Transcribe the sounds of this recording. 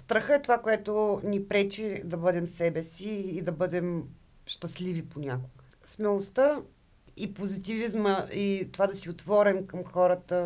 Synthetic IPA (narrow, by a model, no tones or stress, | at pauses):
st̪ɾəxəɛt̪ovakoɛt̪onipɾɛt͡ʃid̪ɐbɤd̪ɛmsɛbɛsiːd̪ɐbɤd̪ɛm | ʃt̪əsliviponʲakʊɡə | smɛlˠost̪ə | ipozit̪ivizməit̪ovad̪ɐsiot̪vɔɾɛmkəmxɔɾət̪ə